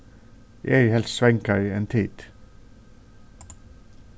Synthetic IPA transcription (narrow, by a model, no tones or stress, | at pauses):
jʔæhɛlssʋɛŋkɑiːeːnt̪ʰiːd̪̥